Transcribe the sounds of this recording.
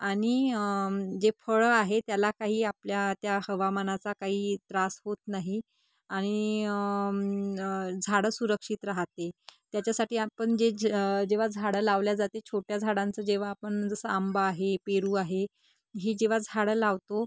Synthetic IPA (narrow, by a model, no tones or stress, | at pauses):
aɽ̃i | d͡zefʰəɭəaɦet̪jalakaɦiːapljat̪jahəʋamanat͡sakaɦiːt̪ɾasɦot̪naɦi | aɽ̃i | d͡zʱaɽəsuɾəkʂiːt̪ɾaɦt̪et̪jat͡ɕasaʈiːapəɳd͡ʑed͡ʑeʋ̤ad͡zʱaɽəlaʋljad͡zat̪et͡ɕʰoʈjad͡zʱaɽãnt͡səːd͡ʑeʋ̤aːpəɳd͡zəsəambaːɦepeɾuːaɦe | ɦiːd͡ʑeʋ̤ad͡zʱaɽəlaʋt̪o